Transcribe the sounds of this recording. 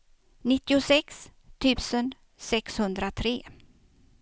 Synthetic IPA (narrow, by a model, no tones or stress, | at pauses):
nɪt̪ːɪʊsɛkst̪ʰʉ̟ːsən | sɛkshɵnd̪ɾat̪ʰɾeː